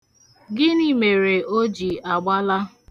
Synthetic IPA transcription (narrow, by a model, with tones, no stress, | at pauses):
ɡɪ˦ni˦me˨ɾe˨o˦d͡ʒi˨a˨ɡ͡ba˦la˦